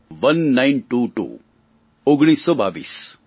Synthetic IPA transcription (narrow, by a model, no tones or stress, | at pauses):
ʋɐnːaɪnʈuːʈṵː | oɡɽ̃iːsːɔːba̰ːʋḭːs